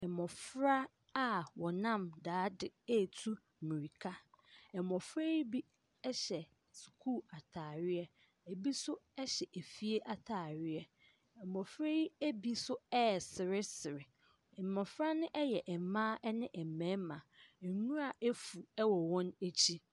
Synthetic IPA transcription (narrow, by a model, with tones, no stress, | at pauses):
ɛ˨mɔ̃˨fɾa˦ | a˦wɔ˨nã˦˨mdaː˨˦dɪ˨e˦˨tʰu˦˨ | mĩ˨ɾi˨kʰa˦ | ɛ˨mɔ̃˨fɾa˦i˦bi˦ | ɛ˦ɕɛ˨ | skʰuː˦˨a˨tʰaː˨ɾɪ˦ɛ˦ | e˨bi˦sʊ˦ɛ˦ɕɛ˨ʔe˨fi˦e˦ʔa˨tʰaː˨ɾɪ˦ɛ˦ | ɛ˨mɔ̃˨fɾa˦i˦e˦bi˦sʊ˦ɛ˦˨sɪ˨ɾɪ˦sɪ˨ɾɪ˨ | ɛ˨mɔ̃˨fɾa˦nɪ̃˦ʔɛ˦jɛ˨ʔɛ˨mãː˦ʔɛ˦nɪ̃˦ʔɛ˨mæ̃ː˨˦mã˨ɛ˨nũ˦a˨ʔe˦fu˨ɛ˦wɔ˨wɔ̃˦ne˦t͡ɕʰi˦